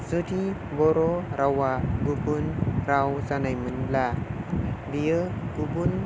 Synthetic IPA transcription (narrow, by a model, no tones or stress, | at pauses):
sɯti | bɔɾɔɾawaɡubunɾawsanajmɯnbla | dijɯɡubun